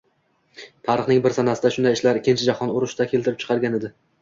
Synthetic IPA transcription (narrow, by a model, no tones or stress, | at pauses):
t̪ʰɑɾɨχnɪŋbɪɾsanasɪd̪aʃʊnd̪ajɪʃlaɾɪkʲːɪnt͡ʃʰɪd͡ʒaχɒnʊɾʊʃt̪akʲʰelt̪ʰɪɾɪpt͡ʃʰɨ̥qʰɑɾɡʲaned̪ɪ